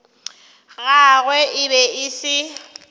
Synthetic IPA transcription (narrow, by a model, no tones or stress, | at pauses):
ɣaɣwɛʔɪbɛɪsɪ